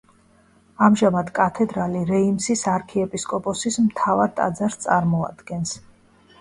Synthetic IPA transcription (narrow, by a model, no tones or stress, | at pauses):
amʒamad̪kʼat̪ʰɛd̪ɾaliɾɛimsisaɾkʰiɛpʼiskʼɔpʼɔsismt̪ʰavaɾt̪ʼa̰d̪zaɾst̪sʼaɾmɔa̰d̪̥ɡɛns